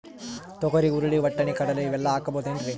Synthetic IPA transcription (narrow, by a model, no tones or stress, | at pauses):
t̪ɔkɐɾiuɾuɽiʋɐʈːɐnikɐɽɐluiʋɛlːɐaːkɐboːd̪endɾi